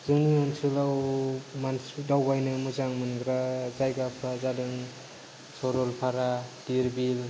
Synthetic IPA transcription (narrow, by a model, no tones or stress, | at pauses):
zɯŋniɔnsɯlawmansdawbajnɯmɯzaŋmɯnɡɾazajɡapʰɾazadɯŋ | sɔɾɔlpʰaɾad̥iɾbil